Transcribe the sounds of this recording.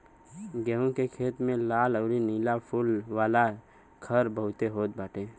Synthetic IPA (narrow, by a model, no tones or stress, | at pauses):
ɡɛɦõkekʰeːt̪mẽlaːləʊɾiniːlapʰʊlʋaːla | kʰəɾbəɦʊt̪eɦoːt̪̚baːʈʰeː